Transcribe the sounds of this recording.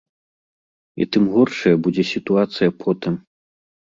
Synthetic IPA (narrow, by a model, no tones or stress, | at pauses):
ḭt̪ɨmɣɔrʂɐjɐbud͡zʲɛsʲit̪uat̪sɨjɐpʰɔt̪ɨm